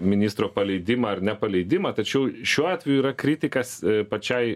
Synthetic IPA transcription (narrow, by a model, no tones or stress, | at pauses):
mʲɪnʲiːst̪ɾoːpɐlʲɛɪd̪ʲɪmɐɐrnʲɛpɐlʲɛɪd̪ʲɪmɐt̪ɐt͡ʃʲɛʊʃʲuɔɑːt̪ʲʋʲɛjuiːɾɐkɾʲɪt̪ʲɪkɐspɐt͡ʃʲɛɪ